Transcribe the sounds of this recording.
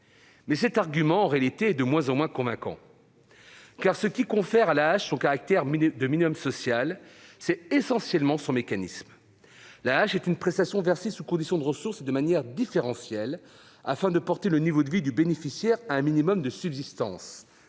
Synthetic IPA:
mɛsɛt̪aʁɡʲymɑ̃ːʁealit̪eɛd̪əmwɛ̃zɑ̃mwɛ̃kɔ̃vɛ̃kɑ̰̃ | kaʁsəkʲikɔ̃fɛʁalaːʃsɔ̃kaʁak̚t̪ɛʁd̪əminimɔmsɔsjalsɛesɑ̃sjɛlmɑ̃sɔ̃mekanism | laːʃɛt̪ynpχɛst̪asjɔ̃vɛʁsisukɔ̃d̪isjɔ̃d̪əʁəsuʁsed̪əmanjɛʁd̪ifeʁɑ̃sjɛl | a̰fɛ̃d̪əpɔʁt̪elənivod̪əvid̪ybenefisjɛʁaɛ̃minimɔmd̪əsybzist̪ɑ̰̃s

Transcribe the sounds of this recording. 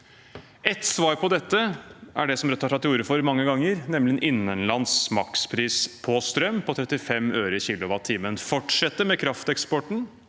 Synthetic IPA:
ɛt̪ːsʋɑːɾpʰɔd̪ɛt̪ːəʔæ̰ɖɛsɔmɾœt̪ːɑɾɑt̪ːɪuːɾəfɔɾmɑŋːəɡɑŋːəɾnɛmlɪɛnʔɪnːənlɑnsmɑkspʰɾiːspʰɔst̪ɾœmpʰɔt̪ʰɾɛt̪ːɪfɛmøːɾəçiːlʊʋɑt̪ʰːiːmənfɔʈʂɛt̪ːəmɛkʰɾɑft̪ɛkspɔʈɳ̩

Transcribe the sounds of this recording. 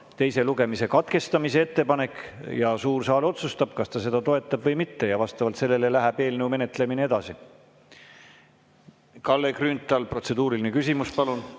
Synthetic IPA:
t̪e̞jse̞luɡe̞mise̞kɑt̪ke̞st̪ɑmise̞e̞t̪ːe̞pɑne̞kːˑjɑsuːrsɑːlo̞t̪sust̪ɑb̥kɑst̪ɑse̞d̪̥ɑt̪o̞e̞t̪ːˑɑb̥vɤjmit̪ːe̞jɑvɑst̪ɑvɑlt̪se̞lːe̞lelæɦæb̥e̞ːlneume̞ne̞t̪le̞minee̞d̪̥ɑsi | kɑlːekrynt̪ːˑɑlpro̞t̪se̞d̪uːɾilinekysimuspɑlun

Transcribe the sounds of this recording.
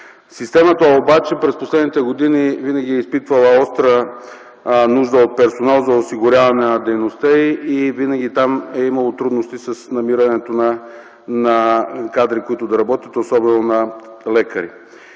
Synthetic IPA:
sist̪ɛmət̪əobat͡ʃɛpɾɛsposlɛd̪nit̪ɛɡod̪inivinɐɡʲiɛispit̪vɐlˠəɔst̪ɾə | nuʒd̪əot̪̚pɛɾsonalˠzɐosiɡʊɾʲjavɐnɛnɐd̪ɛjnost̪əiivinɐɡʲit̪amɛimɐlˠot̪ɾud̪nost̪isəsnɐmiɾɐnɛt̪onɐ | nɐkad̪ɾikoit̪ʊd̪ɐɾɐbɔt̪ʲit̪osɔbɛnonɐlɛkɐɾḭ

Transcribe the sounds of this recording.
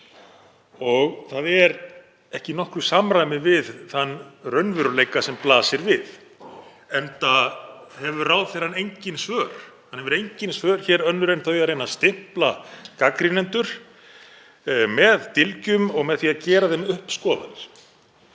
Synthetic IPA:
ɔɣθaðɛɾ | ɛhcɪnɔhkɾʏsamɾajmɪvɪðθanːrœɥnvʏɾʏlejkasɛmplaːsɪɾvɪð | ɛnt̪ahɛvʏraːwðθejɾ̥hanejɲcɪnsvœːɾ̥hanhɛvʏɾejɲcɪnsvœːɾ̥çɛːɾœnːʏɾejnθœjaɾejnːast̪ɪhplakakɾinɛnt̪ʏɾ̥ | mɛðt̪ɪlcʏmɔɣmɛðθiːaðcɛːɾaθɛjnʏhpskɔːða̰nɪɾ̥

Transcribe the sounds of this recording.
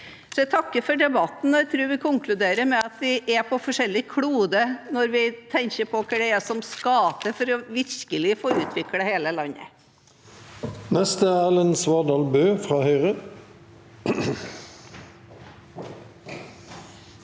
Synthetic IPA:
sɔɛt̪ʰɑkːəfɔɖɛbɑt̪n̩ɔæt̪ʰɾʉːɾʋɪkʰʊŋkʰlʉd̪eːɾəɾmɛɑt̪d̪ɪʔɛpʰɔfɔʂɛlːɪkʰɽuːd̪ənɔɾʋɪt̪ʰɛŋkəpʰɔkʰəɖɛɛsɔmskɑːt̪əfɔɾɔʋɪɾkəlɪfoːʉːt̪ʰʋɪkɽəheːləlɑnːə̰ | nɛst̪əæːlɛnsʋɑd̪ɑːlbøːfʁɑːhœʏʁə

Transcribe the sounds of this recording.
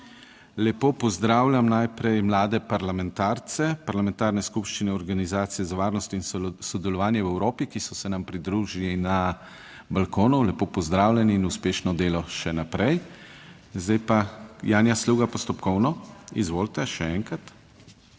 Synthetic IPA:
lɛpoːpɔzd̪ɾaːwlʲamnajpɾɛjmlaːd̪ɛpaɾlamɛ̃nt̪aːɾt̪sɛpaɾlamɛ̃nt̪aːɾnɛskupʃt͡ʃinɛɔɾɡanizaːt̪sijɛzaʋaːɾnɔst̪insɔd̪ɛlɔʋaːnjɛwɛwɾoːpikisɔsɛnampɾid̪ɾuːʒilina | balkoːnulɛpoːpɔzd̪ɾaːwlʲɛniːnuspeːʃnɔd̪eːlɔʃɛnapɾɛj | zd̪ajpajaːnjasluːɡapɔst̪ɔpkɔwnɔizʋoːlt̪ɛʃɛɛŋkɾat̪

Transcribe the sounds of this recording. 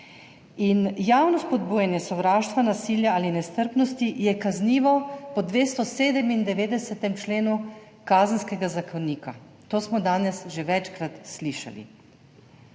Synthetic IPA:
injaːwnɔspɔd̪buːjɛnjɛsɔʋɾaːʃt̪ʋanasiːljaaːlinɛst̪əɾpnɔst̪ijɛkazniːʋɔpɔd̪ʋeːst̪ɔseːd̪ɛmind̪ɛʋeːd̪ɛsɛt̪ɛmt͡ʃleːnu | kaːzənskɛɡazakɔniːka | t̪oːsmɔd̪aːnɛsʒeʋɛt͡ʃkɾat̪sliːʃa̰lḭ

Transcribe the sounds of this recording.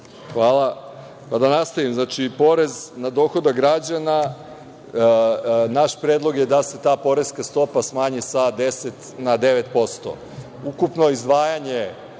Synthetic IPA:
xʋaːlˠa | pad̪anast̪aʋimznat͡ʃipo̞ɾe̞znad̪o̞ːxo̞d̪aɡɾad͡ʑana | naʃpɾed̪lˠo̞ɡjed̪ase̞t̪aːpo̞ɾesskast̪o̞pasmaːɲisad̪ese̞t̪nad̪e̞ʋe̞t̪po̞st̪o̰ | ukupno̞izd̪ʋaːjaɲe

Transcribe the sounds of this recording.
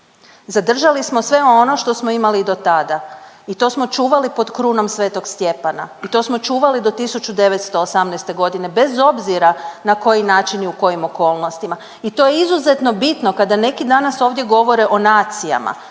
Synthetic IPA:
zad̪r̩ʒalismo̞sʋe̞oono̞ʃt̪o̞smoimaliːd̪o̞t̪ad̪a | it̪o̞smo̞t͡ʃuːʋalipo̞d̪kɾuːno̞msʋe̞ːt̪o̞ɡst̪je̞pana̰it̪o̞smo̞t͡ʃuːʋalid̪o̞t̪isut͡ʃud̪e̞ʋet̪st̪o̞ːsamnɛjst̪e̞ɡo̞d̪ine̞be̞zo̞bziɾanako̞jinaːt͡ʃiniuko̞jimo̞ko̞ːlˠnost̪ima | it̪o̞jeizuze̞t̪no̞bit̪no̞kad̪ane̞kid̪anaso̞ːʋd̪je̞ɡo̞ʋo̞ɾeʔo̞naːt̪sija̰ma̰

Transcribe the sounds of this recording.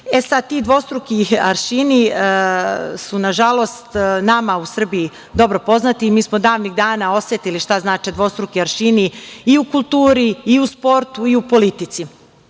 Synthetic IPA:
esad̪̚t̪iːd̪ʋo̞st̪ɾukiaɾʃini | sunaʒalo̞st̪namausr̩bii | d̪o̞bɾo̞po̞znat̪imiːsmo̞d̪aːʋniɡd̪aːnao̞sjet̪iliʃt̪aznaːt͡ʃed̪ʋo̞st̪ɾukiaɾʃiniiukulˠt̪uːɾiːuspo̞ɾt̪uiupo̞lit̪it̪si

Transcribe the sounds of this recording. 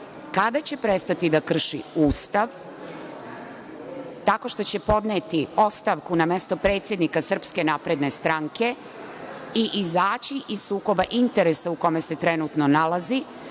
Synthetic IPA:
kad̪at͡ɕe̞pɾe̞st̪at̪id̪akr̩ʃḭuːst̪aʋ | t̪ako̞ʃt̪o̞t͡ɕe̞po̞d̪net̪io̞st̪aʋkuname̞st̪o̞pɾe̞ːt̪sʲje̞d̪nikasr̩pske̞napɾe̞d̪ne̞st̪ɾaŋke̞ | iʔizaːt͡ɕiʔizsuːko̞baʔint̪e̞ɾesauko̞me̞se̞t̪ɾenut̪no̞nalazi

